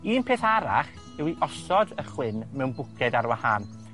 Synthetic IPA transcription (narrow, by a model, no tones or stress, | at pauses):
iːnpʰeːθaɾa̰χ | ɛwiʔɔsɔdəχwɪnmɛwnbʊkʰɛdaɾwahaːn